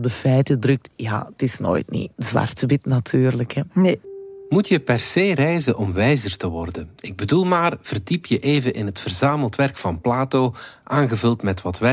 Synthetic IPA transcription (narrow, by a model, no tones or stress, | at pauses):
b̚dəfɛjtədrɵk̚tja̰ːətɪsno̰ːjtnḭzʋɑ̰rtəʋɪtnatʰyːrləkɛnmutjəpɛrseːrɛjzənʔɔmʋɛjzərtəʋɔrdənɪɡ̚bədulˠmaːrv̥ərdipjəʔeːvəʔɪnɦətfərzaːməlˠtʋɛrkfɑnplaːtoːʔaːnɣəvɵlˠtmɛtʋɑtʋɛ